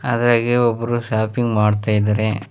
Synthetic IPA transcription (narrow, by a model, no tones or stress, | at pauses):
ɐd̪ɐɾaːɡeɔbːɐɾuʃaːpiŋɡmaːɽt̪aːjd̪aɾe